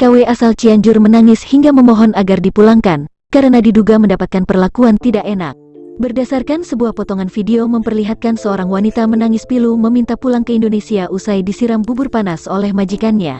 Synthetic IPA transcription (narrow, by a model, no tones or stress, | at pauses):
kaweʔasalt͡ʃiaɲd͡ʒʊrmənaŋɪshiŋɡaməmɔɦɔnaɡardipulaŋkan | kaɾənadiduɡaməndapat̪̚kanpərlakuant̪idaʔena̰k̚bərdasarkansəbuahpɔt̪ɔŋanfideoməmpərliɦat̪̚kansəoɾaŋwanit̪amənaŋɪspiluməmint̪apulaŋkəindonesiaʔusajdisiɾambubʊrpanasolɛhmad͡ʒikanɲa̰